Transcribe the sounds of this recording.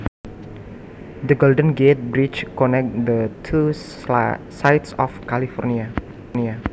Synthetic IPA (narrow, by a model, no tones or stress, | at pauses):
d̪əɡoldə̃nɡet̪̚bɾit͡ʃkɔnɛk̚d̪ət̪ʰu | sajt̪sɔfkalifɔrnia | nia